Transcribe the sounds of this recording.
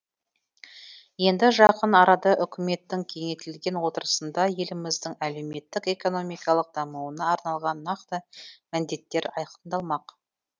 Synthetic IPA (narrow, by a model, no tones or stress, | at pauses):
je̞nd̪ɪʒɑqənɑɾɑd̪ɑʔʏkʲʰɪme̞t̪ːɪŋkʲʰe̞ŋe̞t̪ɪlɡʲe̞nwo̞t̪əɾəsənd̪ɑje̞lɪmɪzd̪ɪŋæle̞wme̞t̪ːɪke̞ko̞no̞mijkɑlˠəq̚d̪̥ɑmuwənɑɑɾnɑlˠʁɑnːɑqt̪əmænd̪e̞t̪ːe̞ɾɑjqʰənd̪ɑlˠmɑq